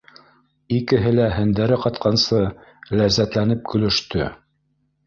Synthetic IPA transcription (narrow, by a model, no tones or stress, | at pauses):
ikɘ̆ɦɘlæɦɘ̆nd̪æɾɘqɑt̪̚qʰɑnsɤlæzːæt̪lænɘp̚kɵ̆lɵ̆ʃt̪ɵ̰